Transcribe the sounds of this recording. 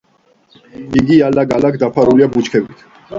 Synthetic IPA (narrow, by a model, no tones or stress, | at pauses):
iɡialaɡalaɡd̪apʰaɾuliabut͡ʃkʰɛbit̪ʰ